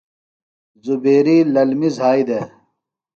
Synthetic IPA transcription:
zubeːɾiːlɐlmizɦaːid̪e

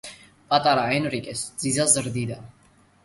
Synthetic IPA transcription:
pʼat̪ʼaɾaɛnɾikʼɛsd̪z̥izazəɾd̪id̪a

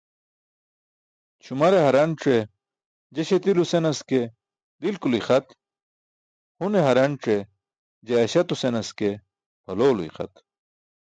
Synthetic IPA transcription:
t͡ɕʰumɐɾeɦɐɾɐnʈ͡ʂe | d͡ʑeɕet̪ilusenɐske | d̪ilkulixɐt̪ | huneɦɐɾɐnʈ͡ʂe | d͡ʑeːɕɐt̪usenɐske | pʰɐloːluḭxɐ̰t̪

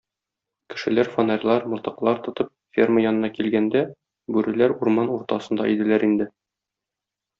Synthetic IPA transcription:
kɘ̆ʃɘ̆læɾfonɑrʲlˠɑɾmŏlt̪ɤ̆qlˠɑɾt̪ŏt̪ɤp̚fʲerməjɒnɤ̆nɑkilɡænd̪æ | bʉɾɘ̆læɾuɾmɑnuɾt̪ɑsɤ̆nd̪ɑʔid̪ɘ̆læɾind̪ɘ

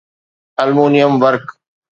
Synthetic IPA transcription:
ɐlmuːnijəmʋəɾk

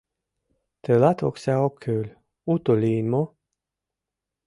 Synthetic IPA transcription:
t̪elat̪ʰoksaokʰølʲ | ut̪oliːnmo

